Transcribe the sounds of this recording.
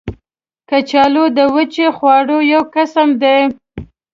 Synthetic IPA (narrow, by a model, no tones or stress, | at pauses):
kat͡ʃɑlod̪əwət͡ʃexwɑɽojawkasamd̪e